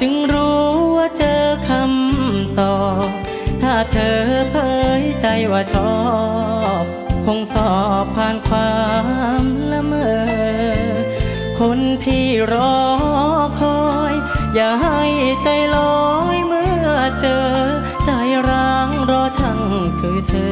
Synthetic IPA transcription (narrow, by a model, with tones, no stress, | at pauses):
t͡ɕɯ˧ŋɾuː˦˥waː˧˩t͡ɕɤː˧kʰa˧mt̪ɔː˨˩ | t̪ʰaː˧˩t̪ʰɤː˧pʰɤː˧jt͡ɕa˧jwaː˧˩t͡ɕʰɔː˧˩ | p̚kʰo˧ŋsɔː˨˩pʰːaː˧nkʰwaː˧mla˧mɤː˧ | kʰo˧nt̪ʰiː˧˩ɾɔː˧ | kʰɔː˧ | j | jaː˨˩ha˥˧˩jt͡ɕa˧jlɔː˧jmɯ˧˥t͡ɕɤː˧ | t͡ɕa˧˩jɾaː˧ŋɾɔː˧t͡ɕʰa˧˩ŋ | kʰɯː˨˧˩t̪ʰɤː˧